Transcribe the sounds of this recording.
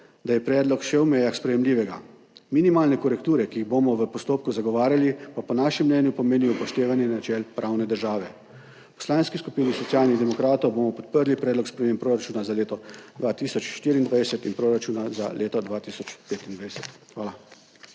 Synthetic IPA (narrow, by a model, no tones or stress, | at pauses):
d̪ajɛpɾɛːd̪lɔkʃɛwmɛjaxspɾɛjɛmliːʋɛɡa̰ | minimaːlnɛkɔɾɛkt̪uːɾɛkiiɣbomɔʋəpɔst̪oːp̚kuzaɡɔʋaːɾjalipapɔnaːʃimːnɛːnjupɔmeːniɔpɔʃt̪eːʋanjɛnat͡ʃɛlpɾʔawnɛd̪əɾʒaːʋɛ | pɔ̥slaːnskiskupiːnisɔtsʲjaːlniɣd̪ɛmɔkɾaːt̪ɔwboːmɔpɔt̪̚pəɾlipɾɛːd̪lɔkspɾɛmeːmpɾoːɾat͡ʃuːnazaleːt̪ɔd̪ʋaːt̪iːsɔt͡ʃʃt̪iːɾiːnd̪ʋajsɛt̪inpɾoːɾat͡ʃuːnazalʔeːt̪ɔd̪ʋaːt̪iːsɔt͡ʃpeːt̪ind̪ʋajsɛ̥t̪xʋaːla